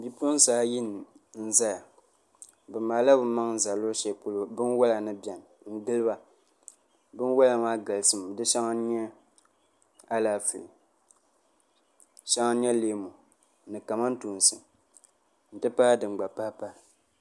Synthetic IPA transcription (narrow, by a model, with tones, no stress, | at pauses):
bi˦po˦n˦saː˨˦ji˦n˨n̩˨za˦˨ | bɨ˨ma˨la˦bɨ˦ma˦ŋ̩˦za˨lo˦ʃɛ˨pu˦lo˨bɨ˦nwa˦la˨nɨ˦bjɛ˨n˨n̩˦ɡɨ˦lɨ˦ba˨ | bɨ˦n˦wa˦la˨maː˦ɡa˨lsɨ˦m˨dɨ˦ʃa˦ŋa˦ɲɛ˦ | a˦laː˦˨fɨ̰˨li˨ | ʃa˦ŋa˦ɲɛ˦leː˦mo˨ | nɨ˨ka˨ma˦n˦tu˨n˨sɨ˨ | n̩˨tɨ˦pa˦dɨ˨ŋ͡mɡ͡ba˨pa˦pa˦˨